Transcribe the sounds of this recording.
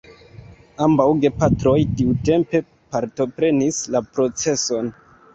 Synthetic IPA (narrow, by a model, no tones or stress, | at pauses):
ambawɡe̞patɾo̞jtiute̞mpe̞ | paɾto̞pɾe̞nislapɾo̞t͡se̞so̞n